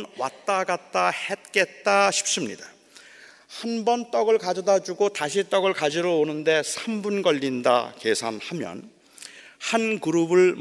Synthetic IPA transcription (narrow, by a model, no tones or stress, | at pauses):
nwa̰t̚t͈aɡat̚t͈ahet̚k͈e̞t̚t͈aɕʰi̥p̚s͈ɯmɲḭda | hanbʌnt͈ʌɡɯɭkad͡ʑʌdad͡ʑuɡotaɕʰit͈ʌɡɯɭkad͡ʑiɾoonɯnde̞sʰambunɡʌʎːinda̰ke̞sʰanhamjʌ̰n | hankɯɾubɯɭ